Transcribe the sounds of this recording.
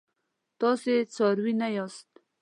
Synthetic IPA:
t̪ɑset͡sɑɾwinajɑst̪̚

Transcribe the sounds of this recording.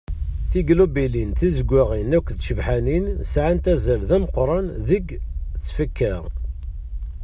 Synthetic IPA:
θiɡlubilinθizəɡʷːaʁinækʷːðʃəvħaninsʕant̪æzəlðæməqɾˤɑnðəɡt͡sːfəkːæ

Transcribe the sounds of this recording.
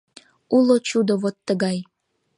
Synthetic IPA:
ulot͡ɕud̪oβot̪ːəɣɑj

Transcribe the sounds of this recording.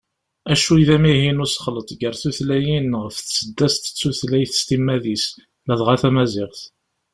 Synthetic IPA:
æʃuiðæmihinusə̥χlət̪ˤɡəɾθuθlæjinʁəfθsəd̪ːæst̪ə̥t͡sːuθlæjθə̥st̪imːæðis | læðʁaθæmæzɪʁθ

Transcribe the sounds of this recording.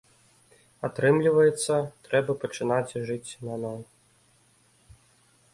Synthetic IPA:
at̪ɾɨmlʲivɐjɛt̪sːɐt̪ɾɛbɐpɐt͡ʂɨnat͡sʲʐɨt͡sʲnanɔj

